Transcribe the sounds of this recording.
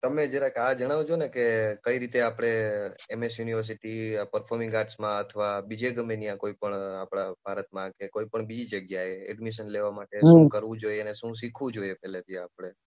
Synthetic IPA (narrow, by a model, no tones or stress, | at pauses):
t̪əmed͡ʒeɾakad͡ʒəɽ̃aʋ̃d͡ʒonekekəiɾit̪eapɽ̃eemesjuniʋəɾs̬iʈipəɾpʰoɾmĩŋɡaʈsmãət̪ʰəʋabid͡ʒeɡəmenijãkoipəɳapɽabʱaɾət̪̚mãkekoipəɳbid͡ʒid͡ʒəɡjaeɛ̰ɖmiʃənleʋamaʈeʃũkəɾʋũd͡ʒoieəneʃũsikʰʋũd͡ʒoiepɛɦlet̪iapɽ̃e